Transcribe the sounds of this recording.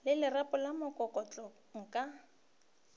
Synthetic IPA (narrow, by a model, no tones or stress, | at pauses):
lɪlɪrapʼʊlamʊkʼɔkʼɔt͡ɬʼɔ | ŋ̩kʼa